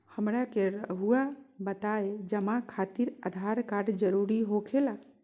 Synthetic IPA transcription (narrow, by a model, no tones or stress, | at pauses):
həmɾakeɾəɦuabət̪aed͡ʒəmãkʰat̪iɾə̰d̪ʱaɾkaɾɖd͡ʒəɾuɾiɦokʰela